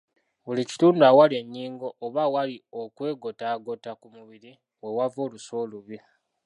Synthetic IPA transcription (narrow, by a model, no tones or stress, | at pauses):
βulici̥tuːnduawalie̞ɲːiːŋɡo̞ʔːβawalio̞kwe̞ːɡo̞taːɡo̞takumuβiɾi | we̞wavo̞ːluso̞ːluβi